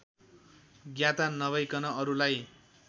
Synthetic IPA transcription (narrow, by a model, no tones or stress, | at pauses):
ɡjãt̪anʌβʌjkʌnʌʌɾulaj